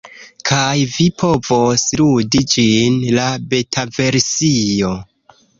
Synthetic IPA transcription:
kʰajvipʰo̞vo̞sludid͡ʒinlabe̞tʰave̞ɾsio̞

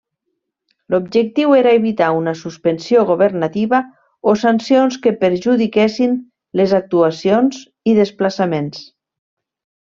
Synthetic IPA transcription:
lobʒək̚t̪iweɾaeβit̪aunasuspənsjoɣuβərnat̪iβa | osansionskəpəɾʒuðikesin | lezak̚t̪uasionz | iðəsplasamens

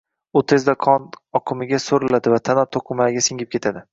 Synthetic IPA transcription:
ut̪ʰe̞zd̪aqʰɒnɒqʰɨmɪɡʲasoɾɪlad̪ɪvat̪ʰanɒt̪ʰoqʰɨmaɡʲasɪŋʲɪp̚kʲe̞t̪ʰad̪ɪ

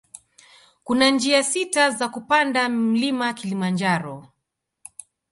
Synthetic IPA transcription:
kunand͡ʒiasitazakupandam̩limakilimand͡ʒaɾɔ

